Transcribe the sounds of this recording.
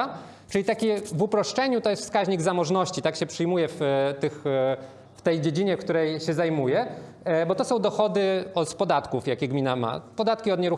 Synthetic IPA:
t͡ʂɘlʲit̪akʲivupɾɔʂt͡ʂɛɲut̪ɔjɛst̪fskaʑɲiɡzamɔʐnɔɕt͡ɕit̪akɕɛpʂɘjmujɛft̪ɘx | ft̪ɛjd͡ʑed͡ʑiɲɛkt̪uɾɛjɕɛzajmujɛ | bɔt̪ɔsɔ̃w̃d̪ɔxɔd̪ɘɔt̪pɔd̪at̪kufjakʲɛɡmʲinama̰pɔd̪at̪kʲiɔd̪ɲɛɾu

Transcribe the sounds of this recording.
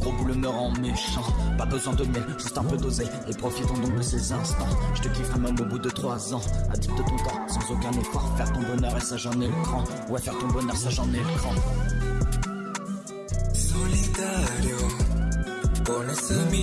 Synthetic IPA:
ɡ̥ʁobuləmœʁɑ̃meʃɑ̃pabəzwɛ̃d̪əmjɛlʒ̥əsɛt̪ɛ̃pød̪oze | epχɔfit̪ɔ̃d̪ɔ̃k̚d̪əsezɛ̃st̪ɑ̃ʒ̥ət̪əkivʁɛmɛmobud̪ət̪χwazɑ̃a̰d̪it̪̚d̪ət̪ɔ̃t̪ɑ̃sɑ̃zokɛ̃nəkwaʁfɛʁt̪ɔ̃bɔnœʁesaʒɑ̃nekχɑ̃ | uafɛʁt̪ɔ̃bɔnœʁsaʒɑ̃nekχɑ̃ | sɔlit̪aljo | pɔlɛsəmi

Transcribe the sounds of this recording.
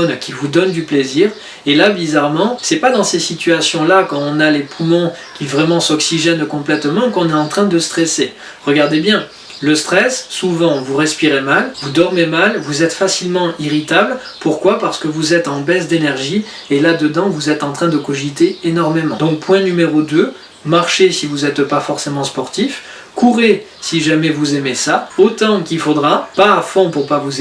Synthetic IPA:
nkʲivud̪ɔnd̪ypleziːʁ | elabizaʁmɑ̃sɛpad̪ɑ̃sesit̪yasjɔ̃lakɑ̃ɔ̃nalepʰumɔ̃ | kʲivʁɛmɑ̃sɔksiʒɛnkɔ̃plɛt̪mɑ̃kɔ̃nɛɑ̃t̪χɛ̃d̪əst̪χɛse | ʁəɡaʁd̪ebjɛ̃ | ləst̪χɛsːuvɑ̃vuʁɛspiʁemalvud̪ɔʁmemalvuzɛt̪fasilmɑ̃iʁit̪abl | puʁkwapaʁsə̥kəvuzɛt̪ɑ̃bɛsd̪enɛʁʒi | elad̪əd̪ɑ̃vuzɛt̪ɑ̃t̪χɛ̃d̪əkɔʒit̪eenɔʁmemɑ̃d̪ɔ̃k̚pwɛ̃nymeʁod̪ø | maʁʃesivuzɛt̪pafɔʁsemɑ̃spɔʁt̪if | kuʁe | siʒamɛvuzemesaot̪ɑ̃kilfod̪ʁapaːfɔ̃puʁpavuz

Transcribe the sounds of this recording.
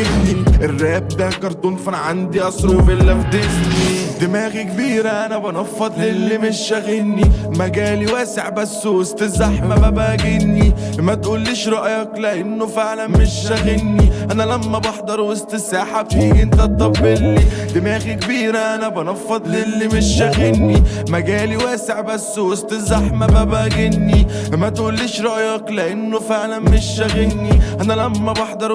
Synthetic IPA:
nniʔɪrːæːb̚d̪ækɑɾˤt̪ˤuːnfɑnʕand̪iʔɑsˤɾubɪlːæfd̪ɪsnid̪ɪmæːɣikbiːɾæʔænæbɑnɑfːɑd̪ˤlɪlːimɪʃːæɣɪnːimæɡæːliwæːsɪʕbæsːwost̪ˤɪzːaħmamæbæːɡɪnːimæt̪ʔuːlːiːʃɾɑʔjæklæʔɪnːʊfɪʕlænmɪʃæɣɪnːiʔænælæmːæbɑħd̪ˤɑɾˤwest̪esaːħabfiːʔɪnt̪æt̪ˤːɑbːɪlːid̪imæːɣikbiːɾæʔænæbɑnɑfːɑd̪ˤlelːimɪʃæɣɪnːimæɡæːliwæːseʕbæsːowost̪ˤezːɑħmæbæbæːɡɪnːilmæt̪ʔuːlːiːʃɾˤɑʔjɑkleʔɪnːofeʕlænmɪʃːæɣɪnːiʔænælæmːæbɑħd̪ˤɑɾˤ

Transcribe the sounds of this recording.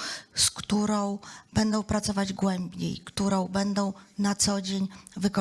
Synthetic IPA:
skt̪uɾɔ̃w̃b̥ɛnd̪ɔ̃w̃pɾat̪sɔvad͡ʑɡwɛmbʲɲḛjkt̪uɾɔ̃w̃bɛnd̪ɔ̃w̃nat̪sɔd͡ʑeɲvɘkɔ

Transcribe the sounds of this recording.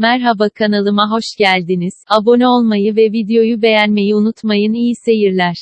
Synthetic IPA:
mæɾɦabakʰanalˠɯmaɦo̞ʃɟælʲd̪iniz̥abo̞nɛo̞lˠmajɯvɛvid̪ejo̞jube̞jænme̞jiunut̪majɯnijise̞jiɾlʲæɾ̥

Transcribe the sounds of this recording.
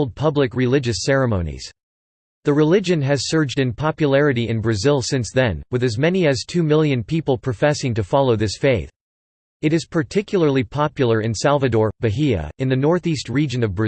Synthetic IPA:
lˠd̚pʰʌblɨkɹɨlɪd͡ʒɨsɛɹɨmõʊ̃nḭz̥ | ðɨɹɨlɪd͡ʒɨ̃nɨz̥sɜ˞d͡ʒdɨ̃npʰɑpjɨlɛɹɨɾiɨ̃nbɹɨzɪlˠsɪ̃nsðɨ̃nwɨðɨzmɛniɨz̥tʰʉmɪlˠjɨ̃npʰipl̩ˠpʰɹ̥ɨfɛsɪ̃ŋtɨfɑlˠoʊðɪsfeɪθ | ɨɾɨz̥pʰə˞tʰɪkʰjl̩ˠə˞lˠipʰɑpjl̩ˠə˞ɨ̃nsælˠvɨdɔɹbɨɦiɨ̰ɨ̃nðɨnɔɹθist̚ɹid͡ʒɨ̃nʌvbɹɨ

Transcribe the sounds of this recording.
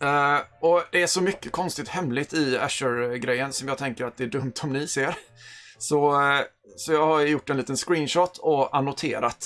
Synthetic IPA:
ɔd̪̥ɛæʂɔmʏkːəkʰɔnst̪ɪt̪hɛmlɪt̪ɪæ̰ʂəɾɡɾɛjːənsɔmjɑːɡt̪ʰɛŋkəɾat̪̚d̪ɛæɖɵmt̪ʰɔmnɪseːɾsɔ | sɔjɑːɡhaɾjʊʈːɛnliːt̪ənskɾiːnʃɔt̪ʰːɔʔanʊt̪ʰḛːɾat̪

